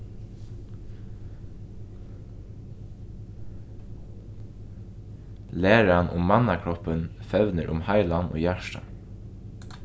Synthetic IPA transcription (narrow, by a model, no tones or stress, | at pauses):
leːɹɑnʔʊ̰mmɑnɑkʰɹɔpənfɛʋnəɹʔʊ̰mhɑɪlɑnʔo̰ːjæʃʈɑ̰